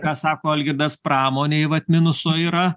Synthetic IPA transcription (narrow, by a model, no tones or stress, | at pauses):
kɑːsɑːkoːɐlʲɡʲɪɾd̪ɐspɾʔɑːmoːnʲeːʋɐt̪ʲmʲɪnʊsoːiːɾɐ